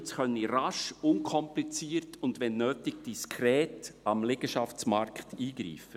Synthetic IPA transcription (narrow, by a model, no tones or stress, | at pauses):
t͡sχœniɾɑʃʊnkʰɔmplit͡siːɾtʊndʋɛnːøːtɪɡ̥̚d̥iskʰɾɛːtɑmlɪɡ̥əʃɑft͡smɑɾkχtʰiːɡ̥ɾḭːfə